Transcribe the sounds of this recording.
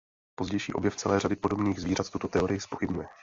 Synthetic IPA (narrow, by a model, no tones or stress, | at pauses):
po̞zɟɛjʃḭːʔo̞bjɛft͡sɛlɛːradɪpo̞dobniːɣzviːrat̪t̪ut̪ot̪ɛo̞ɾɪjɪspoxɪbɲujɛ